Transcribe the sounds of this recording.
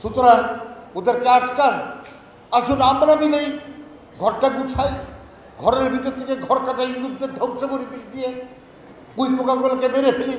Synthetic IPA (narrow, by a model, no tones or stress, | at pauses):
ʃut̪oɾanod̪eɾkeaʈkan | aʃunamɾamilej | ɡʱɔɾʈaɡut͡ɕʰaj | ɡʱɔɾeɾbʱit̪oɾt̪ʰekeɡʱɔɾkaʈaɦind̪ud̪ʱːeɾd̪ʱɔŋʃokoɾipiʃd̪ije | kujpokalɡulakemeɾepʰeli